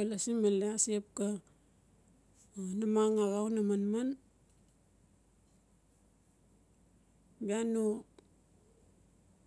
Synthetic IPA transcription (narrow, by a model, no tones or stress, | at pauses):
alasimaleasiep̚ka | namaŋaɣawnamanman | biano